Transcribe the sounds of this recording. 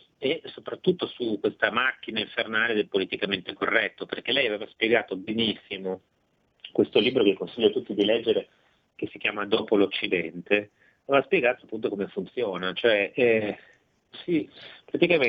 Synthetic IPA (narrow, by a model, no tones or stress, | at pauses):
esopɾat̪ːut̪ːosukːwest̪amakːinaiɱfernaːled̪elpolit̪ikament̪ekorːɛt̪ːoperk̟elɛjaveːvaspjeɡaːt̪obenisːimo | kwest̪oliːbɾokekːonsiʎːot̪ut̪ːid̪ilɛd͡ʒːeɾe | kesːikjaːmad̪ɔːpolot͡ʃːid̪ɛnt̪e | avevaspjeɡaːt̪oapːunt̪okomefunt̪sjoːnat͡ʃoɛʔ | sipɾat̪ikame